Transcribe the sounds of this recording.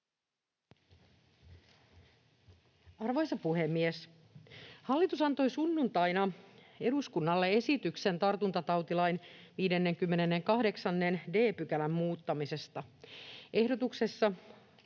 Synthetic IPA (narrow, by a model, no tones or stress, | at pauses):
ɑrʋojsɑpuɦe̞mːies | hɑlːit̪usɑnt̪o̞jsunːunt̪ɑjnɑ | eduskunːɑlːee̞sit̪ykse̞nt̪ɑrt̪unt̪ɑt̪ɑwt̪ilɑjnʋiːde̞nːe̞ŋkymːe̞ne̞nːeŋkɑhde̞ksɑnːe̞nde̞ːpyk̟ælæmːuːt̪ːɑmise̞st̪ɑʔe̞hdo̞t̪ukse̞sːɑ